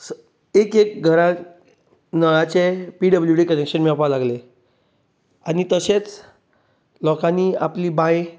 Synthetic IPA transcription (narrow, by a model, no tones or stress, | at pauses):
ekek̚ɡʱəɾa | nəɭat͡ɕepiɖəbljuʈikənekɕənmapalaɡle | añit̪əset͡s | lɔkãniapliːbaj